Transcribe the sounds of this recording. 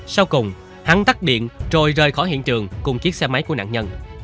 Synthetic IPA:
sa˧wkʊ˨˩wŋ͡m | ha˨˦ŋt̪a˦˥k̚ɗḭ˧˨ənt͡ɕo˧˩jzəː˨˩jxɔ˧˩jhḭ˧˨ənt͡ɕɨ˨˩əŋkʊ˨˩ŋ͡mki˨˦˥ət̚sɛ˧ma˨˦jku˧˩əna̰ː˧˨nɲə˧n

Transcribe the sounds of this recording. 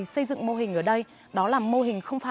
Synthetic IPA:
sə˧jzɨ̰˧˨ŋmo˧ɦï̟˨˩ʔəː˧˩ɗə˧j | ɗɔ˨˦laː˨˩mo˧ɦï˨˩ŋ̟xə˧wŋ͡mfaː˧˩

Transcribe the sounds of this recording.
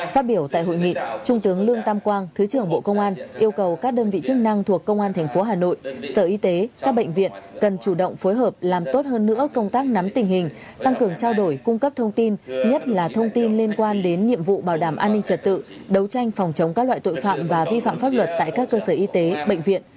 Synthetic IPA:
faː˦˥t̚ɓi˧˩əwt̪a̰ː˧˨jɦo̰˧˨jŋḭ˧˨t͡ɕʊ˧ŋ͡mt̪ɨ˨˦əŋlɨ˧əŋt̪aː˧mkwaː˧ŋt̪ʰɨ˨˦t͡ɕɨ˨˩əŋɓo̰˧˨kə˧wŋ͡mʔaː˧nʔi˧əwkə˨˩wkaː˦˥k̚ɗəː˧nvḭ˧˨t͡ɕɨ˦˥k̚na˧ŋt̪ʰu˨˩əkːə˧wŋ͡mʔaː˧nt̪ʰɛ˨˩ŋ̟fo˨˦ɦaː˨˩no̰˧˨jsəː˧˩ʔi˧t̪e˨˦kaː˦˥k̚ɓə̰˧˨jŋ̟vḭ˧˨ənkə˨˩nt͡ɕu˧˩ɗə̰˧˨wŋ͡mfo˨˦jɦəː˨˩p̚laː˨˩mt̪o˦˥t̚həː˧nːɨ̰˧˥əkə˧wŋ͡mt̪aː˦˥k̚na˨˦mt̪ï˨˩ŋ̟hï˨˩ŋ̟t̪a˧ŋkɨ˨˩əŋt͡ɕaː˧wɗo˧˩jkʊ˧ŋ͡mkə˦˥p̚t̪ʰə˧wŋ͡mt̪i˧nɲə˦˥t̚laː˨˩t̪ʰə˧wŋ͡mt̪i˧nli˧ənkwaː˧nɗe˨˦nɲḭ˧˨əmvṵ˧˨ɓaː˧˩wɗaː˧˩mʔaː˧nːï˧ŋ̟t͡ɕə˨˩t̚t̪ɨ̰˧˨ɗə˨˦wt͡ɕa˧jŋ̟fɔ˨˩wŋ͡mt͡ɕə˨˦wŋ͡mka˦˥klwa̰ː˧˨jt̪o̰˧˨jfa̰ː˧˨mvaː˨˩vi˧fa̰ː˧˨mfaː˦˥p̚lwə˨˩t̚t̪a̰ː˧˨jkaː˦˥kːəː˧səː˧˩ʔi˧t̪e˨˦ɓə̰˧˨jŋ̟vḭ˧˨ən

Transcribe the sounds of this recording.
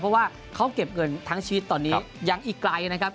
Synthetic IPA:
pʰɔ˦˥waː˥˩ | kʰa˦˥wke˨˩p̚ŋɤ˧nt̪ʰaː˦˥ŋt͡ɕʰiː˧˦˥t̪ːɔː˧nːiː˦˥˦ja˧ŋʔiː˨˩klaː˧ju˧˩na˦˥kʰa˦˥p̚

